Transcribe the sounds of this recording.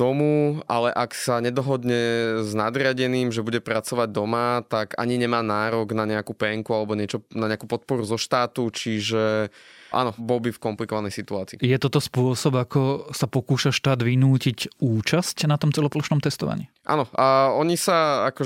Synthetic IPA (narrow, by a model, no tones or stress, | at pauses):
d̪ɔmualɛʔaksaɲɛd̪ɔɦɔd̪ɲɛznad̪ɾɪaɟɛniːmʒɛbuɟɛpɾat͡sɔʋaɟ̚d̪ɔmat̪aɡa̰ɲiɲɛmaːnaːɾɔɡnaɲɛakupɛŋkualɛbɔɲɛt͡ʃɔnaɲɛakupɔt̪̚pɔɾuzɔʃt̪aːt̪ut͡ʃiʒɛʔa̰nɔbɔlbifkɔmplikɔʋanɛjsit̪uaːt͡sḭːjɛt̪ɔt̪ɔspʊɔsɔbakɔsapɔkuːʃaʃt̪aːd̪ʋinuːcicuːt͡ʃascnat̪ɔmt͡sɛlɔpɔluʃnɔmt̪ɛst̪ɔʋa̰ɲḭ | ʔa̰nɔaɔɲisaakɔ